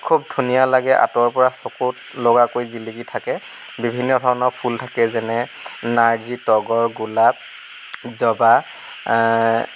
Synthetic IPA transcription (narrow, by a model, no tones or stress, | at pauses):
kʰubdʱunijalaɡɛʔa̰tɔɹpɔɹasɔkut | loɡakojziliɡitʰakɛ | bibʱinːɔdʱɔɹnɔpʰultʰakɛzɛnɛnaɹzitɔɡɔɹɡulap̚ | zɔba